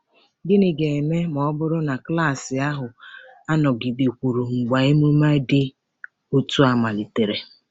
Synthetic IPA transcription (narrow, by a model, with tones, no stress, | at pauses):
ɡɪ˦nɪ˨ɡe˨e˨me˦mɔ˨ɔ˦bʊ˦ɾʊ˦na˨kla˦˨sɪ˨a˦ɦʊ˨a˦nɔ˨ɡi˨de˨kʷu˨ɾu˨ŋ͡m̩˨ɡ͡ba˨e˦mu˦ma˦ɪ˦dɪ˦ | o˦tu˦a˨ma˨li˨te˨ɾe˨